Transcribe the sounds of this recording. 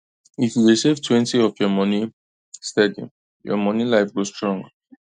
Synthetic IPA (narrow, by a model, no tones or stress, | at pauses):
ifjuɹisivtʰwɛ̃ntiɔfjɔmɔni | stɛdḭ | jɔ̰mɔnilaɪfɡostɹɔ̃ŋɡə